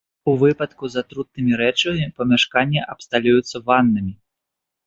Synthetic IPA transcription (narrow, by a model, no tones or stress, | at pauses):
uvɨpɐt̪kuzat̪ɾut̪̚nɨmʲiɾɛt͡ʂɐmʲipɐmʲaʂkanʲːɛʔɐpst̪alʲujut̪sːɐvanːɨmʲi